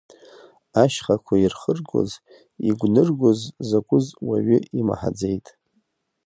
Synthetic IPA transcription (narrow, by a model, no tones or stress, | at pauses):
aʃχakʷʰairχərɡo̰z | iɡʷnɨrɡʷozːakʷʼʊzwaɥʏima̰ħa̰d͡zejtʼ